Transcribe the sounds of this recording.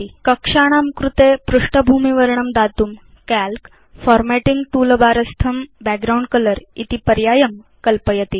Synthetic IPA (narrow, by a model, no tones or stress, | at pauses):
ikəkʂaɽ̃amkɾut̪epɾuʂʈəbʱumiʋəɾɳəmd̪at̪um | kælk | fɔɾmæʈiŋɡʈuːlbaɾəst̪ʰəmbæk̚ɡɾauɳɖkələɾit̪ipəɾjajəm | kəlpəjət̪i